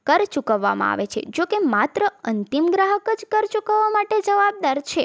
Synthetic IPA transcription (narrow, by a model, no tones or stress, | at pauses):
kəɾt͡ʃukəʋːa̰mã̰a̰ʋet͡ʃʰḛd͡ʒokemat̪ɾəənt̪imɡɾaɦəkəd͡ʒkəɾt͡ʃukəʋːamaʈed͡ʒəʋab̚d̪aɾt͡ʃʰe